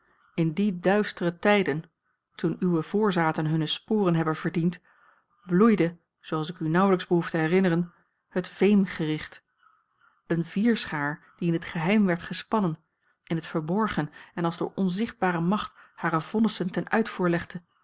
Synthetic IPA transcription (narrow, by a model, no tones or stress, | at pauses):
ɪndidœɥstərətɛjdən | tunyʋəv̥ʊːɹzaːtənɦɵnəspʊːrənɦɛbənv̥əɹdint | blujdə | z̥oɑlˠsɪkynʌwləkzbəɦuftəɦɛrɪnərən | hətv̥ejmχərɪχt | ənviːɹsχaːɹ | d̥iɪnətχəɦɛjmʋɛɹtχəspɑnən | ʔɪnɦətfəɹbɔɹχənɛnɑlˠzdʊːɹʔɔnzɪχd̚baːɾəmɑχthaːɾəvɔnəsəntɛnœ̰ɥtfuːɹlɛχdə